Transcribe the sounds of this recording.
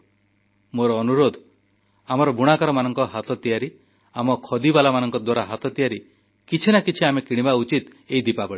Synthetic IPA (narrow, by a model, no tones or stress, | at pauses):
moɾɔːnuɾod̪ʱ | amɔɾɔbʱuɽ̃akaɾɔmanɔŋkɔɦat̪ɔt̪ijaɾi | amɔkʰɔd̪ibalamanɔŋkɔd̪waɾaɦat̪ɔt̪ijaɾi | kit͡ʃʰinakit͡ʃʰiamekiɽ̃ibaut͡ʃit̪ | eid̪ipabɔɽi